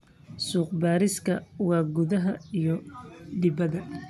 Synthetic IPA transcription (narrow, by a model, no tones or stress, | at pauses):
suːq̚baːɾɪskʰɐwɑːɡʊðɐɦɐijɔd̪ɪbɐðɐ